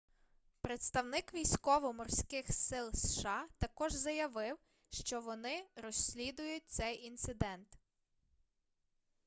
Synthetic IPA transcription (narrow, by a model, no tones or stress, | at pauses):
pɾet̪st̪ɐwnɪkʋʲijsʲkɔʋɔmɔrsʲkɪxsɪlˠsʃɑt̪ɐkɔʒzɐjɐʋɪw | ʃt͡ʃɔʋɔnɪɾɔsʲlʲid̪ʊjʊt̚ʲt̪sɛjʔint̪sɪd̪ɛnt̪